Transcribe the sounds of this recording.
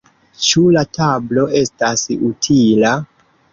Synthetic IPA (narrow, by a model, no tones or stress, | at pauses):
t͡ʃulatʰablo̞ʔe̞stasutʰila